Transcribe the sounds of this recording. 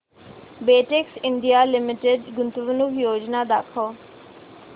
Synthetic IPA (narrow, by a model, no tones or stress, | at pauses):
beːʈɪksɪɳɖijaːlɪmɪʈeɖɡʊnt̪ʋənʊkʰjoːd͡ʒnaːd̪aːkʰoː